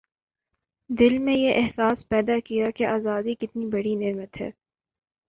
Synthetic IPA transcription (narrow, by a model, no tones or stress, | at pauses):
d̪ɪlmẽjeʔɛɦsaːspɛːd̪akijakeʔaːzaːd̪ikɪt̪nibɐɽineːmət̪ɦɛ̰ː